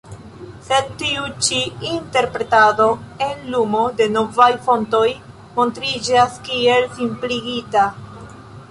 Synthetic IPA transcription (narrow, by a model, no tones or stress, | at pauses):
se̞d̚tiut͡ʃiinte̞ɾpɾe̞tado̞e̞nlumode̞no̞vajfo̞nto̞j | mo̞ntɾid͡ʒaskie̞lsimpliɡita